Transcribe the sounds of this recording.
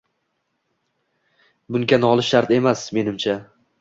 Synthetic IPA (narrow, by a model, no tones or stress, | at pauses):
bʊŋkʲanɒlˠɪʃaɾt̪e̞masme̞nɪmt͡ʃʰa